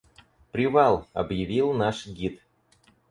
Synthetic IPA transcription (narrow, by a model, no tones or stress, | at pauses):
pɾʲɪvalˠɐ̰bjɪvʲilˠnaʂɡʲit̪